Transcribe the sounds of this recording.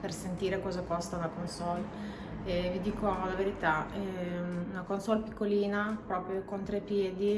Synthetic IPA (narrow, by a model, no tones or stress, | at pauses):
persent̪iːɾekɔːzakɔst̪aunakonsɔl | ɛvid̪iːkolaveɾit̪aɛunakonsɔlpikːoliːnapɾɔːpɾjokont̪ɾepːjeːd̪i